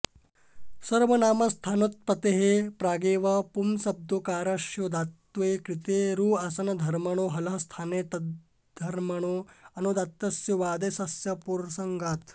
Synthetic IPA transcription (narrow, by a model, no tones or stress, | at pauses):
sɐɾʋɐnaːmɐst̪ʰaːnɐt̪̚pɐt̪eɦepɾaːɡeːʋɐpumsɐb̚d̪okaːɾɐʃjod̪at̪ʋekɾit̪eɾuːaːsɐnɐd̪ʱɐɾmɐɳ̃oːɦɐlɐɦɐst̪ʰaːnet̪ɐ | d̪ʱɐɾmɐɽ̃oɐnod̪at̪ːɐsjuʋaːd̪esɐsjɐpuɾsɐŋɡaːt̪